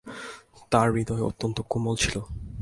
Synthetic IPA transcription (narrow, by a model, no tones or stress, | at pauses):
t̪aɾbid̪ɔeo̰t̪ːont̪okumolt͡ɕʰilo